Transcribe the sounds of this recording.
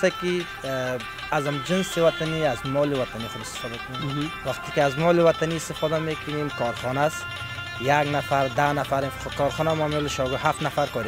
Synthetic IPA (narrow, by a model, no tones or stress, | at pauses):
t̪aki | azamd͡ʒinsiwat̪ʰaniazmɔliʋat̪ʰaniːχʊd̪ɪst̪ɪ̥fɔd̪akʰmeɡiwaqt̪ikiazmɔliwat̪ʰaniːst̪ɪfɔd̪amekʊnimkʰɔɾχɔnas | jaɡnafaɾd̪anafaɾikɔɾχɔːnamɔmeliʃɔɡɔhafnafaɾkɔɾi